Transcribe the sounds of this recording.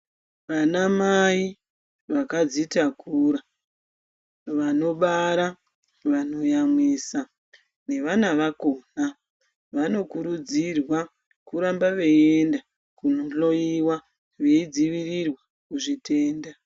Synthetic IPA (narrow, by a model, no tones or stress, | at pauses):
ʋanamai | ʋakad͡zitakuɾa | ʋano̞ɓaɾa | ʋano̞jamwisa | ne̞ʋanaʋakoːna | ʋano̞kuɾud͡zirwa | kuɾambaʋe̞enda | kunoɬo̞iwa | ʋeid͡ziʋirirwa | kuʐitʰe̞ːnda